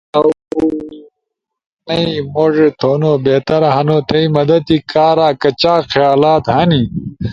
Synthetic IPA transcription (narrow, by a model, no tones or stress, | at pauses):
ɐwu | nɐimoːʐet̪ʰoːnoːbeːt̪ɐɾɦɐnoːt̪ʰɐimɐd̪ɐt̪̚ikaːɾaːkɐt͡ɕaːxjaːlaːt̪hɐni